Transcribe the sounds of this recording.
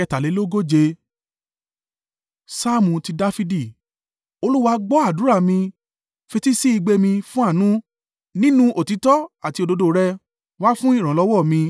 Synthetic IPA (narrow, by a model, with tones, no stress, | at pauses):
ɛ˧ta˨le˨˦lo˦ɡo˦d͡ʒe˧ | sa˦mũ˧ti˧da˦fi˧di˦˨ | o˧lu˦wa˧ɡ͡bɔ˦a˦˨du˨˦ɾa˦˨mĩ˧ | fe˧ti˦si˦i˧ɡ͡be˧mĩ˧fũ˦a˦˨nũ˦ | nĩ˦nũ˦ʔo˨ti˨˦tɔ˦a˦˨ti˧o˧do˧do˧˨˦ɾɛ˧ | wa˦fũ˦i˦˨ɾ̃ɔ̃˨˦lɔ˨˦wɔ˦˨mĩ˧